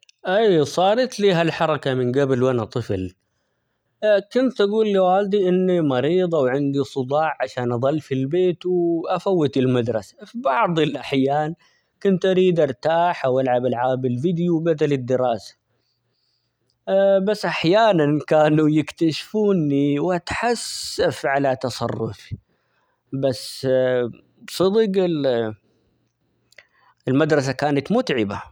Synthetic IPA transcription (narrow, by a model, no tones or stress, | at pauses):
ʔaːsˤɑːɾˤɑt̪liːɦalħɑɾˤɑkamɪnɡablwʔanat̪ˤɨfl | kʊnt̪ʔaɡuːlːiwaːld̪iʔɪnːimɑɾiːðˤɑwʕɪnd̪isˤɨd̪ˤɑːʕʕaʃaːnʔɑðˤɑlːfilbeːt̪wʔafawːɪt̪ɪlmad̪ɾˤɑsḁfibɑʕðˤɪlʔaħjaːn | kʊnt̪ʔaɾiːd̪ʔɑɾˤt̪aːħʔawʔalʕabalʕaːbɪlvid̪ɪjubad̪alɪd̪ːɪɾˤɑːsḁ | basːʔaħjaːnankaːnujɪkt̪aʃfuːniwʔat̪ħasːafʕalat̪ɑsˤɑ̰rˤːʊf | basː | sˤɨd̪ɡɪ | ɪlmad̪ɾˤɑs̬akaːnat̪mʊt̪ʕɪba